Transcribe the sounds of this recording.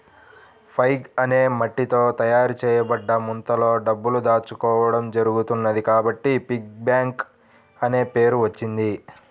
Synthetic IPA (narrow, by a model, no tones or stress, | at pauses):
pʰɐjɡɐne̞ːmɐʈːit̪o̞ːt̪ɐjaːɾut͡ʃɛːjɐbɐɖːɐmunt̪ɐlo̞ːɖɐbːulud̪aːt͡ʃukɔːʋɐɽɐmd͡ʒɐɾuɡut̪unːɐd̪ikaːbɐʈːipik̚bjaːŋk | ɐne̞ːpe̞ːɾuʋɐt͡ʃːind̪i